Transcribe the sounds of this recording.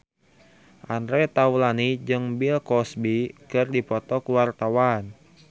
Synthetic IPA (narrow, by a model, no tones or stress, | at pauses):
ʔanɾɛt̪aulanid͡ʒɨŋbilkɔsbikɨrdipɔt̪ɔkuwart̪awan